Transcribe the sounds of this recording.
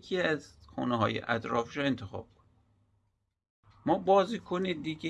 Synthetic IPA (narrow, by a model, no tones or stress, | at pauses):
kʰiæzxo̰neɦɒ̰ːjḛʔæ̰t̪ɾɒːfiʃɔent̪ʰexɒ̰ːb̥̚kʰon | mɒːbɒːziːkʰonid̪iːɡe